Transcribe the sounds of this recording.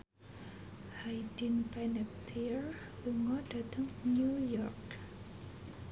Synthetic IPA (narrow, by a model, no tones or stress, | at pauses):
hajdinpɛnɛp̚t̪ʰir | uŋɔd̥at̪əŋnujɔrk